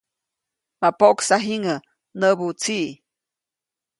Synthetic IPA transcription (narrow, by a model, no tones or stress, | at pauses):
mapoʔksaɦiŋə | nəbut͡siʔ